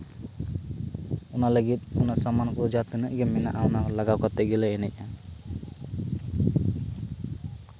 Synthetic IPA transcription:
ɔnaləɡit̪̚ɔnasamankɾud͡ʒat̪ənəʔɡɛmɛna̰ʔawnalaɡawkat̪ɛɡɛlɛɛnɛc̚ˀa

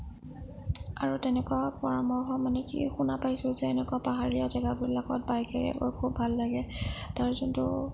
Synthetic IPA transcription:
aɹutɛnɛkuwapɔɹamɔɹxɔmanɛkḭxunapajsilzɛːnɛkuapaɦaɹijazɛɡabiɹlakɔt̚bajkaɹḭkɔ̰kʰubʱalːaɡɛtaɹzɔntʊ̰

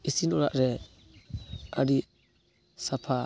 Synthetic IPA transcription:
isinɔɾa̰ʔɾɛ | aɾi | sapʰa

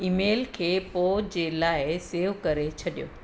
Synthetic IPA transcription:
iːmeːlkʰeːpoːd͡ʑeːlaːɪseːʋkɐɾet͡ɕʰɐɗijo̰ː

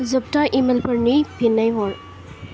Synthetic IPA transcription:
zɐp̚taʔimelpʰɐɾnipʰinːajɦɔl

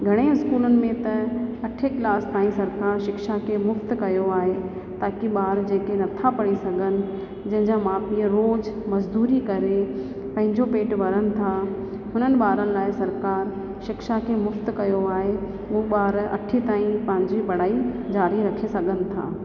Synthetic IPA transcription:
ɡʱɐɽ̃eɪskuːlʊnɪ̆mẽt̪ɐɐʈʰekɪlaːst̪aːĩsɐɾkaːɾʃɪkʃakʰemʊft̪kɐjoaːɦe | t̪aːkiɓaːɾd͡ʑeːkenɐt̪ʰapɐɽ̃isɐɡʱənɪ̆ | d͡ʑɐ̃ɦɪ̃ɲd͡ʑamaːpiəɾoːd͡ʑmɐzd̪uːɾikɐɾe | pɐ̃ɦɪ̃ɲd͡ʑopeːʈʋɐɾənɪ̆t̪ʰa | ɦʊnənɪ̆ɓaːɾənɪ̆laːɪsɐɾkaːɾ | ʃɪkʃakʰemʊft̪kɐjoaːɦe | ʊoɓaːɾɐ̰ʈʰit̪aːĩpɐ̃ɦɪ̃ɲd͡ʑiɓɐɽ̤aːid͡ʑaːɾiɾɐkʰesɐɡʱənɪ̆t̪ʰa̰ː

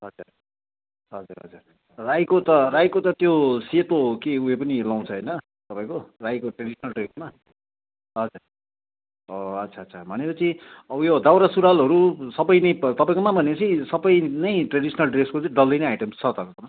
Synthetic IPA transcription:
ɦʌd͡zur | ɦʌd͡zuɾɦʌ̰d͡zu | rajkot̪ʌrajkot̪ʌt̪josep̪okeuɦepʌnilaw̃t͡sʰʌɦʌjnʌ | t̪ʌpãĩkorajkoʈreɽisʰʌnʌlɖresma | ɦʌd͡zur | oʌt͡sʰaʌt͡sʰʌbʱʌnepʌt͡sʰiʌbʌjod̪awɾasuɾalɦʌɾusʌbʌjnʌjpt̪ʌpaĩkomabʱʌneʌt͡sʰisʌbʌjnʌjʈreɽisʌnʌlɖreskot͡sʌ̃ɖʌldʌjnʌjajʈemst͡sʰʌt̪ʌkʌkʌma

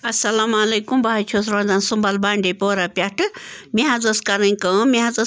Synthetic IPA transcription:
ɐsɐlamalejkumbʱat͡ʃʰosɾõd͡zansumbalbaɳɖepoɾapʲaʈɨmiɦãd͡zɐskaɾɐ̃jkɐ̃miɦãd͡zɐ

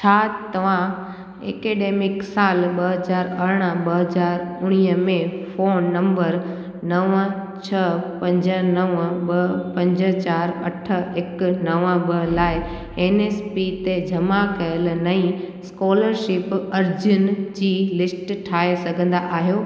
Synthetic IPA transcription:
t͡ɕʰaːt̪ɐʋ̤ã | ḛːkeːɖeːmɪksaːlɓɐɦɐzaːɾɐɾɽ̃əɓɐɦɐzaːɾʊɽ̃iəmẽfoːnːɐ̃mbəɾ | nɐʋə̃t͡ɕʰɐpɐ̃ɲd͡ʑənɐʋə̃ɓɐɦpɐ̃ɲd͡ʑə̆t͡ɕaːɾɐʈʰə̆ɪknɐʋə̃bɐɦlaːɪ | eːneːspit̪ed͡ʑʱɐmakɐjəlnɐĩ | skɔːləɾʃɪpɐɾd͡ʑʊnd͡ʑiːlɪsʈʈʰaːesɐɡʱə̃nd̪aʔaːɦijoː

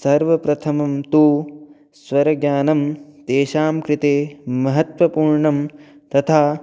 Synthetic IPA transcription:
sɐɾʋɐpɾɐt̪ʰɐmɐmt̪uː | sʋɐɾɐɡjaːnɐmt̪eːʃaːmkɾɪt̪eːmɐɦɐt̪ʋɐpuːɾɳɐm | t̪ɐt̪ʰaː

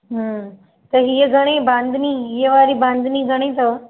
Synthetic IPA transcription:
ɦə | t̪əɦijeɡʱəɽ̃ẽbãnd̪ʱniːjeʋaɾiːbãnd̪ʱniːɡʱəɽ̃ẽt̪ə

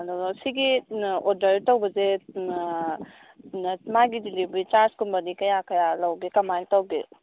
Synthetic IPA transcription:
dɔsiɡiɔɾdɐɾitawbɐze | maɡidilibɾit͡ʃaɾskunbɐnikɐjakɐjalawɡekɐmantawɡḛ

